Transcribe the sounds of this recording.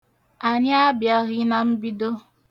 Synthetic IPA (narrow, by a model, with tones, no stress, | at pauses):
a˨ɲa˦a˦bja˦ɣɪ˦na˨m̩˦bi˦do˦